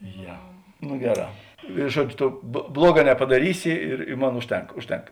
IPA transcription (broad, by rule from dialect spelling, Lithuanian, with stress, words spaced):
ˈjɛ nʊ ˈɡʲæːˌrɑː ɪ ˈʒuɔt͡ʃʲ ˈtoː ˈblˠuɔˌɡɑː nʲɛpɐdɐˈrʲiːsʲɪ ɪr ɪ ˈmoːn ˈʊʃʲˌtʲɛŋk ˈʊʃʲˌtʲɛŋk